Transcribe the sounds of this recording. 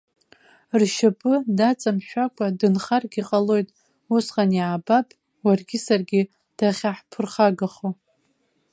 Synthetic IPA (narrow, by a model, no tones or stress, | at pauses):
rʃapʼɨdat͡sʼamʃʷᶣakʷʰʼadɨnχarɡʲiqʼalo̞jtʼ | usqʼanjabapʼ | warɡʲɪsarɡʲi | d̥aχʲaħpʰɨrχaɡaχo